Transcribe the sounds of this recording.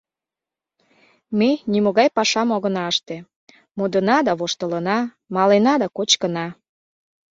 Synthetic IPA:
menimoɣɑjpɑʃɑmoɣə̆nɑəʃt̪e | mod̪ənɑd̪ɑβoʃt̪ələnɑ | mɑlenɑd̪ɑkot͡ɕkənɑ

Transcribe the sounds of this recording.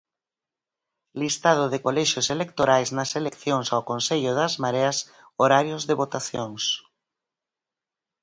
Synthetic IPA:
list̪að̞ʊðɪkolɛʃoselek̚t̪oɾajznɐselekθjoŋsawkonseʎʊðɐzmaɾeɐs | oɾaɾjozðeβot̪aθjoŋs

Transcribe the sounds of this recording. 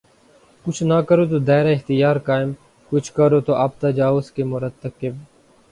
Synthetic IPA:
kʊt͡ʃʰnakəɾoːt̪̬oːd̪ɛːɾaɪxt̪ɪjaːɾkaːɪm | kʊt͡ʃʰkəɾoːt̪oːʔaːp̚t̪ad͡ʒaːʊskemʊɾət̪ːəkɪb

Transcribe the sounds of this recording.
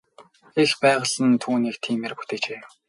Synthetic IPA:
expæːʁə̆ɮə̆nt̪ʰuːniːkt̪ʰiːmerpu̥t̪eːt͡ɕeː

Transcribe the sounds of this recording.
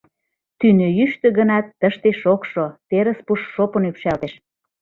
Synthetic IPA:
t̪ynøjyʃt̪ø̆ɣənɑt̪ːəʃt̪eʃokʃot̪eɾə̆spuʃʃopŏnykʃælt̪eʃ

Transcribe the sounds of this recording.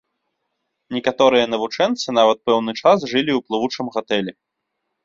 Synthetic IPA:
nʲɛkat̪ɔɾɨjɐnɐvut͡ʂɛnt̪sɨn̪avɐt̪̚pɛwnɨt͡ʂas̬ʐɨlʲiwplˠɨvut͡ʂɨmɣat̪ɛlʲɛ

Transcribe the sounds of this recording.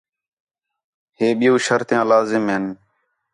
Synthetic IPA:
heːɓɪjũːʃəɾt̪ãːlaːzɪmɦɪn

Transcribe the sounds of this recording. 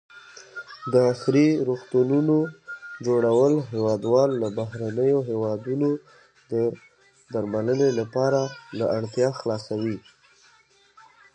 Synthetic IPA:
d̪əaxɾiɾoxt̪ununod͡ʒoɽawəlɦewɑd̪wɑlːabaɦɾanəjoɦewɑd̪uno | d̪ə | d̪aɾmalənelapɑɾalaaɽt̪jɑxlɑsawi

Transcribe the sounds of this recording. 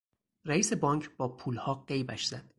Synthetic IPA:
ræiːse̞bɒːŋcʰb̥ɒːpʰuːlhɒːɢe̞jbæʃz̥æd̪̥

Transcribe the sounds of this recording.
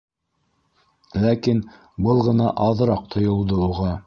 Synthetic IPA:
lækin | bɤlˠʁɤ̆nɑʔɑðɾɑq̚t̪ʰŏjŏlˠd̪ouʁɑ

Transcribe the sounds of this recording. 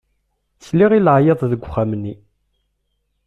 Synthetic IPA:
t͡sːliʁilʕjeðˤðəɡʷχːamnːi

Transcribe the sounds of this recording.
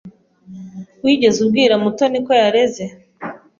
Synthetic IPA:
wiɟe̞zubɡiːɾamuto̞niko̞jaɾe̞ze̞

